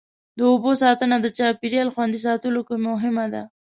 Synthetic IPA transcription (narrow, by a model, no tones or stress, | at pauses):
d̪əobosɑt̪ənad̪ət͡ʃɑpiɾjɑlxwand̪is̬ɑt̪əlokemʊɦɪmad̪a̰